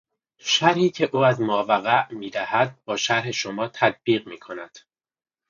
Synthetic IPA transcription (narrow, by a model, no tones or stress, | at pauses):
ʃæɾhiːcʰe̞ʔuːæzmɒːvæɣæʔmiːd̪æhæd̪̚bɒːʃæɾɦe̞ʃo̞mɒːt̪ʰæd̪̚b̥iːɣmiːkʰo̞næd̪̥